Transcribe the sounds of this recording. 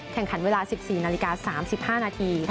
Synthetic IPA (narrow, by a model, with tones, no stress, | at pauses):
kʰɛ˨˩ŋkʰa˩˦nweː˧laː˧si˨˩p̚siː˨˩naː˧li˦˥kaː˧saː˩˦msi˨˩p̚haː˥˩naː˧t̪ʰiː˧